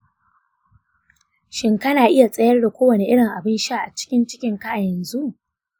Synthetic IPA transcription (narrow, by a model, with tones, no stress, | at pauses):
ʃɪ˨ŋkɐ˦naː˨ʔɪ˦ja˨sʼɐ˦jɐ˦rda˨kʷoː˦wɐ˨ne˦ʔɪ˦ɽɪ˨ŋʔa˨bɪ˦nʃa˦ʔa̰˨t͡ʃɪ̥˦kʲɪ˦nt͡ʃɪ˦kʲɪ˦ŋka˦ʔa˨jɛ˨nzu˦ʔ